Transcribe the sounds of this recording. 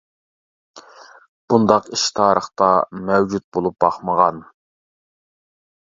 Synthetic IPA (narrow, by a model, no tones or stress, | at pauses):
b̥und̪ɑqiʃt̪ʰɑːɾəχt̪ɑmɛwd͡ʒut̪̚bolˠup̚bɑχməʁɑn